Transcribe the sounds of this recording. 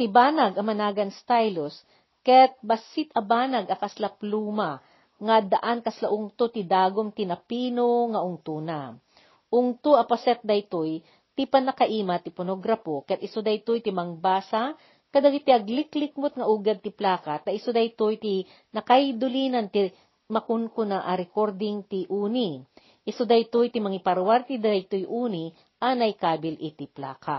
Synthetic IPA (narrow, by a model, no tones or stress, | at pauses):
t̪ɪbaːnɐɡɐmɐnaːɡɐnst̪ajlos | kɛt̪̚bɐsɪt̪ɐbaːnɐɡɐkɐslapluːma | ŋɐd̪ɐʔankɐslaʔʊŋt̪ot̪ɪd̪aːɡomt̪ɪnɐpiːnoŋɐʔʊŋt̪una | ʔʊŋt̪uʔɐpɐsɛt̪̚d̪ɐjt̪oj | t̪ipɐnɐkɐʔiːmɐt̪ɪponoɡɾapokɛt̪ʔɪsod̪ɐjt̪ojt̪ɪmɐŋbaːsa | k̪ɐd̪ɐɡit̪iʔɐɡlɪklɪk̚mʊt̪̚ŋɐʔuːɡɐd̪̚t̪ɪplaːkat̪ɐɪsod̪ɐjt̪ojt̪i | nɐkajd̪ʊliːnɐnt̪i | mɐkʊnkʊnaʔɐɾɛkoɾd̪ɪŋt̪ɪʔuːni | ʔɪsod̪ɐjt̪ujt̪imɐŋipɐɾwaɾt̪id̪ɐɐjt̪ujʔuːni | ʔanɐjkaːbɪlɪt̪ɪpla̰ːka